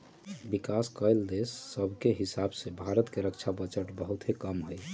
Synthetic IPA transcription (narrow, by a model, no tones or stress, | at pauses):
bikaskəjld̪esːəbʱkeɦisabsẽbʱaɾət̪keɾək̚t͡ʃʰabət͡ʃəʈbəɦut̪ɦekəmɦoj